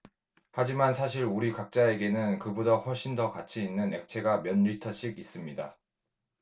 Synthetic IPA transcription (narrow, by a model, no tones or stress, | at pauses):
had͡ʑimansʰaɕʰiɾuɾikak̚t͡ɕ͈ae̞ɡe̞nɯnkɯbudʌɸwʌɭɕ͈indʌkat͡ɕʰiːnːɯne̞k̚t͡ɕʰe̞ɡamjʌnɾitʰʌɕ͈iɡis͈ɯmɲida